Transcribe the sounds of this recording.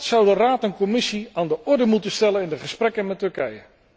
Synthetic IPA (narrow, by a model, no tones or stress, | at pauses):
tsʌwdəraːtɛnkɔmɪsiaːndəʔɔɹdəmutəstɛlənɪndəχəsprɛkənmɛtɵɹkɛjə̰